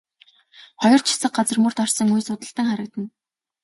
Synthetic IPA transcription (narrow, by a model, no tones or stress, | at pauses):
χɔjɞ̆r̥t͡ɕʰɪ̥sə̆q̚ɢat͡sə̆rmɵr̥t̪arsə̆ŋujsʊt̪ə̆ɬt̪ə̆ŋχaɾə̆k̚t̪ə̆n